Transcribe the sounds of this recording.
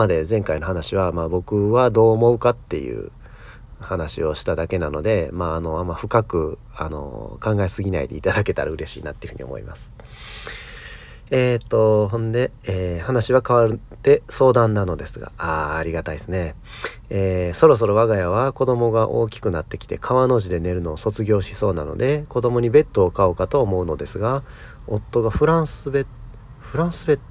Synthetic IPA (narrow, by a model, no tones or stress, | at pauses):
mad̪e̞zẽ̞ŋkaino̞hanaɕiβamaːbo̞kɯ̟βad̪o̞ːmo̞ɯ̟kat̪ːe̞̰jɯ̰ː | hanaɕḭo̞ɕi̥t̪ad̪ake̞nano̞d̪e̞maːno̞amaɸɯ̟kakɯ̟ | a̰no̞̰kãŋɡaesɨɡʲinaḭd̪e̞̰it̪ad̪ake̞t̪aɾaɯ̟ɾe̞ɕḭːnat̪ːeiɯ̟ɯ̟io̞̰mo̰ḭma̰sɨ̥ | et̪ːo̞ɦõ̞nd̪e̞ | eːhanaɕiβakaβaɾɯ̟t̪e̞so̞ːd̪ãnːano̞d̪e̞sɨɡa̰aːɾʲiɡat̪aisɨne̞ | eːso̞ɾo̞s̬o̞ɾo̞βaɡajaβ̞ako̞d̪o̞mo̞ɡaʔo̞̰ːkʲi̥kɯ̟nat̪ːe̞kʲi̥t̪e̞̰kʰaβano̞ʑid̪e̞ne̞ɾɯ̟no̞ːso̞t͡sɨɡʲo̞ːɕi̥so̞ːna̰no̞̰d̪e̞ko̞d̪o̞mo̞ɲ̟ibe̞t̪ːo̞ːkaokat̪o̞ːmo̞ɯ̟no̞d̪e̞sɨɡa | o̞t̪ːo̞ɡaɸɯ̟ɾãɰsɨbe | ɸɯ̟ɾãɰ̃sɨbe̞t̪